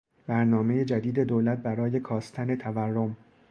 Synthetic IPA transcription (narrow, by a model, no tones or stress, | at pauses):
bæɾnɒːme̞je̞d͡ʒæd̪iːd̪e̞d̪owlæt̪̚bæɾɒːje̞kʰɒːst̪ʰæne̞t̪ʰæværːo̞m